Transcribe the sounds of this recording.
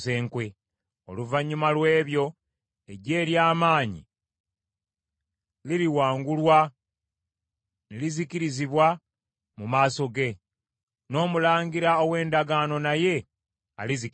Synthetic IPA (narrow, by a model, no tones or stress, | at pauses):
se̞ːŋkwe̞ | o̰luvaɲːumalwe̞ːβjo̞ | e̞ɟe̞ːɾjaːmaːɲḭ | liɾiwaːŋɡulwa | neliziciɾiziβwa | mumaːso̞ɡe̞ | no̞ːmulaːŋɡiɾaowe̞ːndaɡano̞naje̞ | a̰lizi